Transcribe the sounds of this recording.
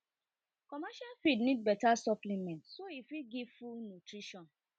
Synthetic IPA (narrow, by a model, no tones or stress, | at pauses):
kɔmaʃalfidnĩt̚bɛtasɔplimɛ̃ntsoifiɡifunutɾiʃɔ̃n